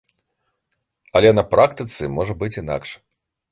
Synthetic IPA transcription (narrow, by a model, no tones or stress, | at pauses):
ɐlʲɛnɐpɾʔakt̪ɨt̪sɨmɔʐɐbɨt͡sʲina̰kʂ